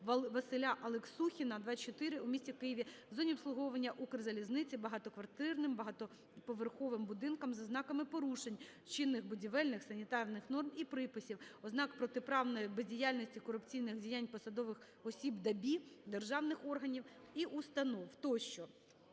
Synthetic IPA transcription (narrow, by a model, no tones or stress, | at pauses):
ʋɐsɪlʲaʔɐlˠeksuxʲinɐd̪ʋɑt͡ʃɔt̪ɪɾɪumʲisʲtʲikɪjiʋʲizɔnʲiɔpslˠʊɦɔʋɐnʲːɐʔukrzɐlʲiznɪt͡sʲibɐɦɑt̪ɔkʋɐrt̪ɪrnɪmbɐɦɑt̪ɔ | pɔʋerxɔʋɪmbʊd̪ɪnkɐmzɐznɑkɐmɪpɔɾuʃenʲ | t͡ʃɪnːɪxbʊdʲiʋɛlʲnɪxsɐnʲit̪ɑrnɪxnɔrmipɾɪpɪsʲiwɔznɑkpɾɔt̪ɪpɾɑwnɔjibezʲdʲijalʲnɔsʲtʲikɔɾʊpt͡sʲijnɪxdʲijanʲpɔsɐd̪ɔʋɪx | ɔsʲibd̪ɐbʲid̪erʒɑwnɪxɔrɦɐnʲiwiʔust̪ɐnɔwt̪ɔʃt͡ʃɔ